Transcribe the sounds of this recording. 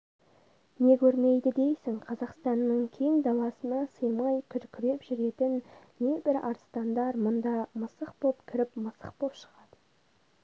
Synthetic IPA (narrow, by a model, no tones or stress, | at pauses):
ne̞kʲʰɵɾme̞jd̪ɪd̪e̞jsɪŋqʰɑzɑqst̪ɑnːəɴkʲʰeŋd̪ɑlˠɑsənɑsəjmɑjkʲʰʏɾkʲʰɪɾe̞pʒʏɾe̞t̪ɪnne̞bɪɾɑ̰ɾst̪ɑnd̪ɑɾmʊnd̪ɑməsəqbo̞pkʲʰɪɾɪpməsə̰q̚bo̞pʃə̥ʁɑd̪̥ə